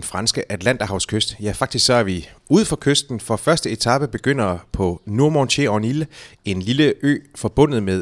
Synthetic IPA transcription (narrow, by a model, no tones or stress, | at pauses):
fʁɑ̈nsɡ̥əʔæd̥læn̰d̥ɐhɑ̈ʊskʰøsd̥jæfɑ̈ɡ̥d̥isɡ̥sɒ̽æɐʋiuð̰ˠfɒ̽kʰøsd̥n̩fɒ̽fɶɐsd̥əe̝t͡sʰɑ̈b̥əb̥e̝ɡ̥øn̰ɐpʰɒ̽nuɐmɒnɕeɒnile̝nliləø̰ːfɒ̽b̥ɔ̽n̰ð̩ˠmeðˠ